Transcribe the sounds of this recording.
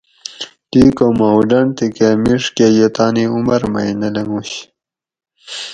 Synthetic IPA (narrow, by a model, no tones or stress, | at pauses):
ʈiːkomawɖɐɳt̪ikemiʂkejet̪aːniumɐɾmɐ̰jnɐlɐŋuɕ